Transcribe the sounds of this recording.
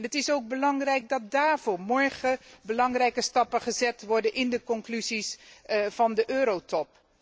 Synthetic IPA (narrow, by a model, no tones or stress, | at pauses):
nɦətɪsowɡ̚bəlɑŋrɛjk̚dɑt̚daːɹvʊːmɔɹχəbəlɑŋrɛjkəstɑpəχəzɛtʋɔɹdənʔɪndəkɔŋklyzisv̥ɑndəʔøːɾowtɔp̚